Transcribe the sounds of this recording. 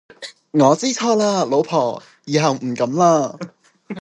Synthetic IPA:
ŋɔː˨˧t͡siː˥t͡sʰɔː˥laː˧lo˨˧wpʰɔː˨˩ | jiː˨˧ɦɐ˨wm̩˨˩kɐ˨˥mlaː˧

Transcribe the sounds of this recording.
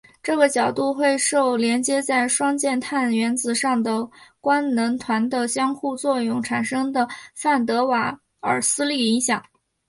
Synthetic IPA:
ʈ͡ʂɤ˥˩ɡə˩t͡ɕjɑ˨˩ʊt̪u˥˧xwe˥˧ɪʂo˥˩ʊljɛ˧˥nt͡ɕjɛ˥t͡sa˥˩ɪʂwɑ˥ŋt͡ɕjɛ˥˧nt̪ʰa˥˩nɥɛ˧˥nt͡sɹ̩˧˩ʂɑ˥˩ŋd̪ə˩kwa˥nnə˧˥nt̪ʰwa˧˥nd̪ə˧ɕjɑ˥ŋxu˥˧t͡swɔ˥˧jʊ˥˩ŋʈ͡ʂʰa˨˩nʂɤ˥ŋd̪ə˨fa˥˩nt̪̬ɤ˧˥wa˧˥˩ | ə̰˞˨˩sɹ̩˥li˥˩i˧˥ŋɕjɑ˨˩˦ŋ

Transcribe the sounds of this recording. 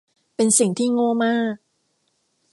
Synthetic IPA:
pe˧nsi˨˩ŋt̪ʰiː˥˩ŋoː˥˩maː˥˩k̚

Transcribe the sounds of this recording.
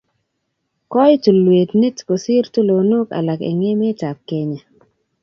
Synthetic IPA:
kɔ˦jtu˨lwe˨tne˦tko˨sɪ˦rtu˦lo˨nʊ˦ka̰˨la˨kḛ˨ŋe˦mɛ˦ta˨p̚ke˨ɲa˨

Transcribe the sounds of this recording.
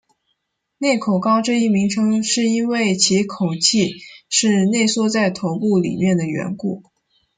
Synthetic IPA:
ne˥˩ɪkʰo˨˩ʊkɑ˥ʊʈ͡ʂɤ˥˧i˥˩mi˧˥ŋʈ͡ʂʰɤ˧˥ŋʂɻ̩˥˩i˥nwe˥˩ɪt͡ɕʰi˧˥kʰo˨˩ʊt͡ɕʰi˥˧ʂɻ̩˥˧ne˥˩ɪswɔ˥˧t͡sa˥˩ɪt̪ʰo˧˥ʊpu˥˩lḭ˨˩mjɛ˥˩nd̪ə˩ɥɛ̰˧˥nku˥˩

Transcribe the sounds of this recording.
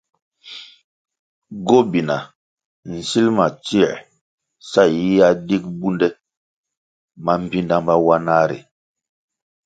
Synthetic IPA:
ɡo˦bi˨na˨ | n̩˨si˦lma˨t͡si˦˨ɾ | sa˦˨ji˦ja˦di˦k̚bu˦ndɛ˦ | ma˦m̩˨pi˦nda˦mba˦wa˦na˦ɾḭ˨

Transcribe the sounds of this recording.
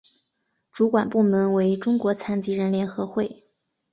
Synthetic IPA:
ʈ͡ʂu˧˥kwa˨˩npu˥˩mə˧˥nwe˧˥ɪʈ͡ʂʊ˥ŋkwɔ˧˥t͡sʰa˧˥nt͡ɕi˧˥ɻə˧˥nljɛ˧˥nxɤ˧˥xwe˥˩ɪ

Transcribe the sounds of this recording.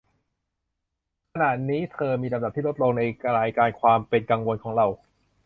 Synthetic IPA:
kkʰa˧naː˨˩tniː˦˥t̪ʰɤː˧miː˧ɾa˧mda˨˩t̪ʰiː˥˩ɾo˦˥t̪̚lo˧ŋna˧jka˧ɾaː˧jkaː˧nkʰwaː˧mpe˧nka˧ŋwo˧nkʰɔː˩˦ŋɾa˧w

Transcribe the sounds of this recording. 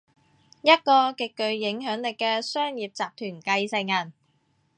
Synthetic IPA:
jɐ˥t̚kɔː˧kɪ˨kːɵ˨ɥjɪ˨˥ŋɦœː˨˥ŋlɪ˨kːɛː˧sœː˥ŋjiː˨p̚t͡saː˨p̚t̪ʰyː˨˩nkɐ˧jsɪ˨˧ŋjɐ˨˩n

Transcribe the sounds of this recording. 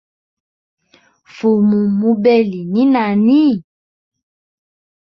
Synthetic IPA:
fo˨mũ˨mũ˧˦bɛ˦li˨nĩ˦nã˨nĩ˦˨

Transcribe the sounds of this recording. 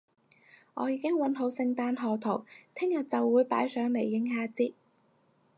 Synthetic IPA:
ŋɔ̰ː˨˧jiː˨˧kɪ˥ŋwɐ˨˥nɦo˨˥wsɪ˧ŋt̪aː˧nɦɔː˨˧t̪ʰo˨˩wt̪ʰɪ˥ŋjɐ˨t̚t͡sɐ˨wːuː˨˧jpa̰ː˨˥jsœː˨˥ŋle˨˩jːɪ˨˥ŋɦaː˧˥t͡siː˥t̚

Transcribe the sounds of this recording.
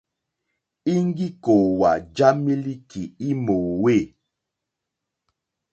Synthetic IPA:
i˦ŋ˦ɡi˦ko˨wa˨d͡ʒa˦mi˦li˦kʰi˨i˦mo˨we˦˨

